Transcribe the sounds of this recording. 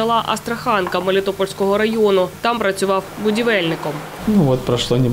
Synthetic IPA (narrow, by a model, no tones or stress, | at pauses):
ɐlˠɑʔɐst̪ɾɐxɑnkɐmɐlʲɪt̪ɔpɔlʲsʲkɔɦɔɾɐjɔnʊt̪ɑmpɾɐt͡sʲʊʋɑwbʊdʲiʋɛlʲnɪkɔm | nuʋɔt̪̚pɾɐʂlˠonʲɪ